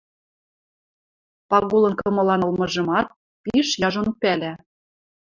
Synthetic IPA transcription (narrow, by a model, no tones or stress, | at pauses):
pɑɣulˠɤ̆nkɤ̆mɤ̆lɑnɤ̆lmɤ̆ʒɤ̆mɑt̪̚ | piʃjɑʒonpælæ